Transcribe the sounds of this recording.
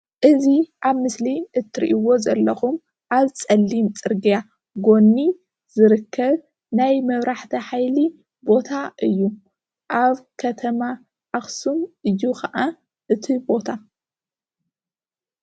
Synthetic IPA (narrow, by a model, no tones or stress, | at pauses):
ʔɨziʔaβmɨsliʔɨt̪ʰːɨɾḭʔiwo̞zɐlːɐxum | ʔaβt͡sʼɐlːimt͡sʼɨɾɡija | ɡo̞nːi | z̥ɨɾɨkʰːɐβ | najmɐβɾaħt̪ʰɐħajli | bo̞t̪ʰaʔɨjːu | ʔaβkʰɐt̪ʰɐma | ʔaxsumɨjːukʰɐʔa | ʔɨt̪ʰibo̞t̪ʰa